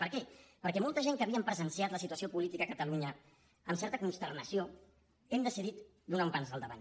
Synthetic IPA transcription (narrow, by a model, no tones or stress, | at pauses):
pəɾkɛpəɾkɛmɔlˠt̪əʒeŋkəβiəmpɾəzənsiat̪ləsit̪uəsiopulit̪ikəːkət̪əluɲə | əmsɛɾt̪əkunst̪ərnəsio | ɛmd̪əsiðit̪ | d̪unaumpanzðəlˠd̪əβa̰n